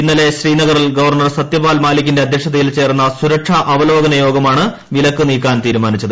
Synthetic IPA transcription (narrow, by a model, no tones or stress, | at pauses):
inːɐle̞ɕriːnɐɣɐrilɡɐʋɐrɳɐrsɐt̪jɐbaːlmaːlikʲːinde̞ɐd̪ʱjekʂɐðɐjilt͡ɕe̞ːrunːɐsuɾɐkʂɐʔɐʋɐlo̞ːɡɐnɐjo̞ːɡɐmaːɳɨ | ʋilɐkːɨniːkːaːnt̪iːɾumaːnit͡ɕːɐðɨ